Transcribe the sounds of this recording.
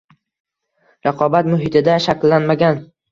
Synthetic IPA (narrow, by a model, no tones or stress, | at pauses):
ɾɑqʰɒbat̪mʊɦɪt̪ʰɪd̪aʃakʲlːanmaɡʲan